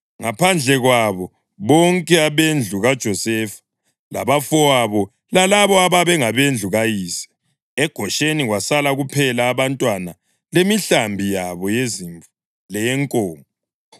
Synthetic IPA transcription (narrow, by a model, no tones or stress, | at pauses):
ŋapʰand͡ɮʱɛɣwaβɔ | βɔŋkʼɛaβend͡ɮʱuɣad̥ʒ̥ʱɔsɛfḁ | la̰βafɔaβɔ | lalaβɔaβaβɛŋaβend͡ɮʱuɣajiːsḁ | ɛɡ̥ʱɔʃeniɣwasalaɣupʰɛlaːβantʼwana | lemiɬambʱijaβɔjeziɱvu | lɛjɛŋkʼɔːŋʱɔɔ